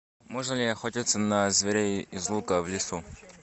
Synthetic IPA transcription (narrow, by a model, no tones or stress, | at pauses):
moʐnəlʲɪɐxotʲit̪sənɐzvʲeɾʲejɪzlˠukəvlʲɪsu